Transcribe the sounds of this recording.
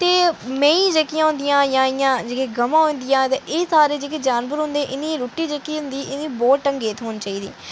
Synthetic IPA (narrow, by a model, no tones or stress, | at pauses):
t̪eːmɛ̃ːĩːd͡ʒəkːijãːɦʊ̃nd̪ɪjãːjãːɪjãːd͡ʒekeːɡəmãːɦʊ̃nd̪ijãːt̪eʔeːsaːɾeːd͡ʒekeːd͡ʒaːnbəɾɦʊ̃nd̪eːʔɪnĩːɾoːʈːiːd͡ʒəkiːʊ̃nd̪iːʔɪnĩːbɔːt̪ʈəŋɡeːt̪ɦoːnt͡ʃaːiːd̪ḭː